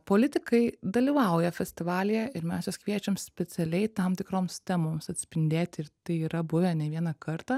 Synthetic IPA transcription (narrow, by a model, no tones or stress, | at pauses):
poːlʲɪt̪ʲɪkɐɪd̪ɐlʲiːʋɐˑʊjɛfʲɛsʲt̪ʲɪʋɑːlʲɪjɛɪɾmʲɛsjoskʋʲiɛt͡ʃʲɛmsʲpʲɛtt͡s̪ʲɛlʲɛɪt̪ɐmt̪ʲɪkɾoːmst̪ʲɛmoːmsɐt̪ʲsʲpʲɪnʲd̪ʲeːt̪ʲɪrt̪ɐɪiːɾɐbʊʋʲɛnʲɛʋʲiɛnɐkɐɾt̪ɑ